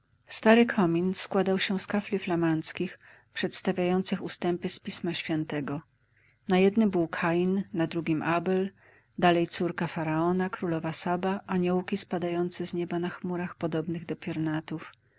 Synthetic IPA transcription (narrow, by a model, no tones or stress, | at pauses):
st̪aɾɘkʰɔmʲinskwad̪awɕɛ̃skaflʲiflamant̪skʲix | pʂɛt̪st̪avʲjajɔnt̪sɘxust̪ɛmpɘspʲismaɕfʲjɛnt̪ɛɡɔ | najɛd̪nɘmbɘwkʰajinːad̪ɾuɡʲimʔabɛl | d̪alɛjt̪suɾkafaɾaɔnakɾulɔvasabaʔaɲɔwkʲispad̪ajɔnt̪sɛzɲɛbanaxmuɾaxpɔd̪ɔbnɘɣd̪ɔpʲjɔɾnat̪uf